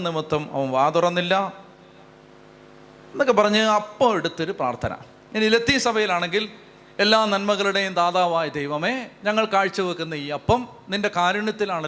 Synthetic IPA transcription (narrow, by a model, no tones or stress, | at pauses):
nimut̪ːɐmɐ̰ʋɐmʋaːd̪urɐnːilːɐ | enːokːepɐrɐɲːɨɐpːoːeɽut̪ːo̞ɾupraːrt̪ʰɐ̰nɐ̰ | inilɐt̪ːisɐbʱɐjilaːɳe̞ŋɡil | e̞lːaːnɐnmɐɣɐɭuɽe̞jumd̪aːðaːʋaːjid̪ejʋɐmeːɲɐŋːɐɭkaːɻt͡ɕːɐʋɐkːunːɐiːɐpːɐmninde̞kaːɾuɳjɐt̪ːilaːɳ